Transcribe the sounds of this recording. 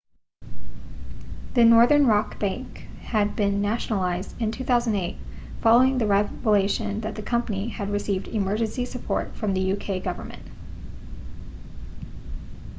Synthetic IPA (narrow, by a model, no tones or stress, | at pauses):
ðɨnɔɹðə̃˞nɹɑkb̥æ̃ŋkhɨd̚bɪ̃nːæʃnl̩ˠaɪzdɨ̃ntʰʉθaʊzn̩deɪt | fɑlˠoʊɪ̃ŋðɨɹɛvəleɪʃɨ̃nðɨt̪̚ðɨkʰʌ̃mpəniɨd̚ɹɨsivdɨmɜ˞d͡ʒɨ̃nsisɨpʰɔ̰ɹtfɹʌ̃mðɨjʉkʰeɪɡʌvə̰˞mɨ̰̃nt̚